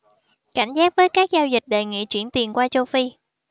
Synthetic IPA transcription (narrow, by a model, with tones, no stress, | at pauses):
ka̰˧˩jŋ̟zaː˦˥k̚vəː˨˦jkaː˦˥k̚zaː˧wzi˨˩k̟̚ɗə˨˩jŋḭ˧˨t͡ɕwi˧˩ənt̪i˨˩ənkwaː˧t͡ɕo˧wfi˧